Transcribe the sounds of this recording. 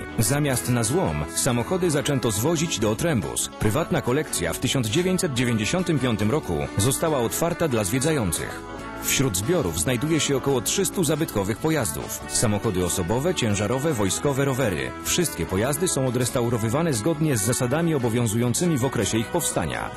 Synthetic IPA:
zamʲjast̪nazwɔmsamɔxɔd̪ɘzat͡ʂɛnt̪ɔzvɔʑid͡ʑd̪ɔːt̪ɾɛmbṵspɾɘvat̪nakɔlɛkt̪sʲja̰ft̪ɘɕɔnd̪zd͡ʑevʲjeɲt͡ɕʲsɛd̪̚d͡ʑevʲeɲd͡ʑeɕɔnt̪ɘmpʲjɔnt̪ɘmɾɔkṵzɔst̪awaɔt̪faɾt̪ad̪lazvʲjɛdzajɔnt̪sɘ̰x | fɕɾud̪zbʲjɔɾṵvznajd̪ujɛɕɛɔkɔwɔtʂɘst̪uzabɘt̪kɔvɘxpɔjazd̪ṵf | samɔxɔd̪ɘɔsɔbɔvɛt͡ɕɛ̃w̃ʐaɾɔvɛvɔjskɔvɛɾɔvɛɾɘ̰ | fʂɘst̪̚kʲɛpɔjazd̪ɘsɔ̃w̃ɔd̪ɾɛst̪awɾɔvɘvanɛzɡɔd̪ɲɛzːasad̪amʲiɔbɔvʲjɔ̃zujɔnt̪sɘmʲivɔkɾɛɕɛixpɔfst̪a̰ɲa̰

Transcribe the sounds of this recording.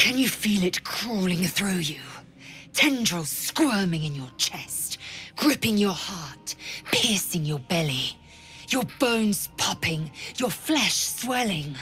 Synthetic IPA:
kʰɨ̃njɨfilˠɨt̚kʰɹ̥ɔlˠɪ̃ŋθɹʉjʉ | tʰɛ̃nd͡ʒəl̩ˠskwɜ˞mɪ̃ŋɨ̃njə˞t͡ʃʰɛstɡ̥ɹɪpɪ̃ŋjə˞hɑɹt̚pʰɪɹsɪ̃ŋjə˞bɛlˠi | jə˞bõʊ̃nz̥pʰʌpɪ̃ŋjə˞flɛʃswɛlˠɪ̃ŋ

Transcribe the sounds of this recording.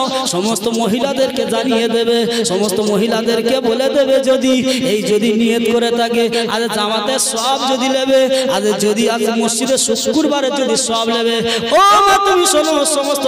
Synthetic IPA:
ʃɔmost̪omoɦilad̪eɾked͡ʒanijed̪ebeʃɔmost̪omoɦilad̪eɾdkeboled̪ebed͡ʒod̪iejd͡ʒod̪iniet̪koɾet̪ʰakea̰d͡ʑed͡ʒamat̪esɔbd͡ʒod̪ilebead͡ʒed͡ʒod̪iasemosd͡ʒid̪eɾʃuskuɾbaɾed͡ʒod̪isɔblebe | onat̪umiʃonooʃɔmost̪o

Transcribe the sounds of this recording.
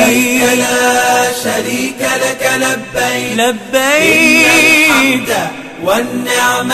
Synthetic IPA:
aʃaɾiːkalakalabːajlabːaj | a | wanːɪʕm

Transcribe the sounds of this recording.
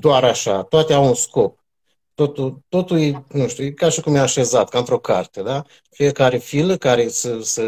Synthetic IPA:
d̪oaɾaʃat̪oat̪eawunsko̞p̚ | t̪o̞t̪ult̪o̞t̪uljenuʃt̪ʲujekaʃikumjaːʃe̞zat̪kaɨnt̪ɾo̞kart̪e̞d̪a | fijekaɾe̞filəkaɾe̞səsə

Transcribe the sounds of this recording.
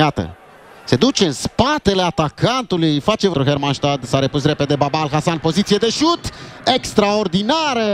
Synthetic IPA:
jat̪ə̰ | se̞d̪ut͡ʃe̞ɨnspat̪e̞le̞at̪akʰant̪ulujfat͡ʃe̞vɾuɦeɾmanʃt̪ad̪saɾepusre̞pe̞d̪e̞babaːlxasanpo̞zit̪sijed̪e̞ʃut̪e̞kst̪ɾaord̪inaɾə

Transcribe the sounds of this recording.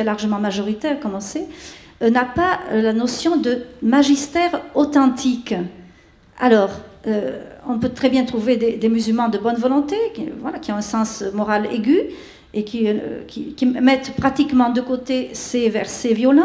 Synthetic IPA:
ɛlaʁʒəmɑ̃maʒɔʁit̪ɛʁkɔmɑ̃sɛnapalanɔsjɔ̃d̪əmaʒist̪ɛʁot̪ɑ̃t̪ʰik | a̰lɔʁøɔ̃pøt̪χɛbjɛ̃t̪χuved̪ed̪emyzylmɑ̃d̪əbɔnvɔlɔ̃t̪ekivwalakʲiɔ̃ɛ̃sɑ̃smɔʁalḛɡy | ekʰʲikʲikʲimɛt̪pχat̪ikmɑ̃d̪əkot̪esevɛʁsevjɔlɑ̃

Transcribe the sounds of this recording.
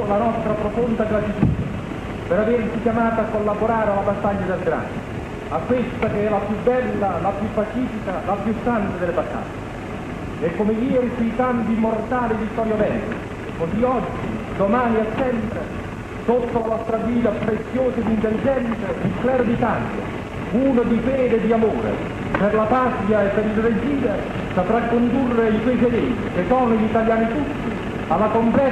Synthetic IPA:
lanɔst̪ɾapɾofond̪ad̪elat͡ʃit̪ḭt̪a | peɾavert͡ʃikjamaːt̪aakːolːaboɾaːɾealabast̪ːaʎːad̪elɡɾa̰n | akːwest̪akeɛlapjubːɛlːalapjupːat͡ʃiːfikalapjusːant̪ad̪elebat̪ːa̰ʎːe | ɛkːomejiːɛɾisuijk̪ampimːort̪aːlid̪it̪ːɔɾjobɛlːo̰ | koziɔd͡ʒːḭd̪omaːniasːɛmpɾe | sot̪ːolavɔst̪ɾaɡiːd̪apɾet̪sːjoːsad̪int̪elːid͡ʒɛnt̪saiklɛɾod̪it̪alja̰ | uːnod̪ifɛːd̪eɛd̪ːiamoːɾḛ | perlapat̪jaepːeɾilred͡ʒiːveɾ | sapɾakːond̪urːeikwejt͡ʃed̪ɛːt̪ikesɔnːoʎit̪aljaːnit̪ut̪ːi | alːakomplɛ

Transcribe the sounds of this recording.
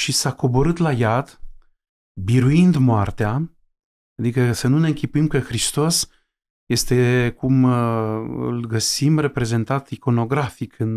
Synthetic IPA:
ʃisako̞bo̞ɾɨt̪lajad̪ | biɾuind̪moart̪ea | ad̪ikəsənune̞ɨŋkʲipuimkəxɾist̪o̞s | je̞st̪e̞kum | ɨ̰lɡəsimre̞pɾe̞ze̞nt̪at̪iko̞no̞ɡɾafikʰɨn

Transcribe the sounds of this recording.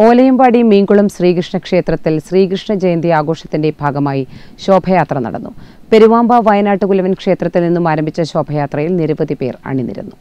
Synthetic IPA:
o̞ːlɐjɐmbaːɽimiːŋɡuɭumɕriːɡrɨʂɳɐkʂe̞ːt̪rɐt̪ːilsriːɡrɨʂɳɐd͡ʑejnd̪iaːɡo̞ːʂɐt̪ːinde̞bʱaːɡɐmaːjiɕo̞ːbʱɐjaːt̪rɐnɐ̰ɽɐ̰nːupe̞ɾuʋaːmbaʋɐjɐnaːʈːɨkulɐʋɐnkʂe̞ːt̪rɐt̪ːilninːumaːɾɐmbʱit͡ɕːɐɕo̞ːbʱɐjaːt̪rɐjilniɾɐʋɐd̪ipe̞ːra̰ːɳinːḭɾṵnːu

